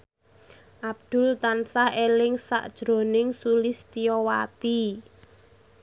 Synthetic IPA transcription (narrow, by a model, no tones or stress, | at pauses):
ʔab̚d̪̥ʊ̤lt̪ansahelɪŋsa̰ʔd̥ʒ̥ɾo̤nɪŋsulɪst̪ijɔwat̪i